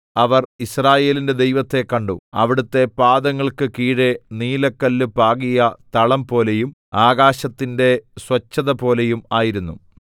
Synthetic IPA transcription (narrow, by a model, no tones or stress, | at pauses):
ɐʋɐrisraːje̞ːlinde̞d̪e̞jʋɐt̪ːe̞kːɐɳɖṵɐ̰ʋiɽut̪ːe̞paːd̪ɐŋːɐɭkɨkiːɽeniːlɐkːɐlːɨpaːɣijɐt̪ɐɭɐmpo̞ːle̞jum | aːɡaːɕɐt̪ːinde̞swɐt͡ɕːɐðɐpo̞ːle̞jumaːjiɾunːu